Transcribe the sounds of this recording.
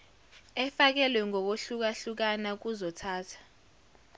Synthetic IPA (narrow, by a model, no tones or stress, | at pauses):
ɛfak̬ɛlwɛŋɔk̬oɬuk̬aɬuk̬anak̬uzɔtʰaːtʰḁ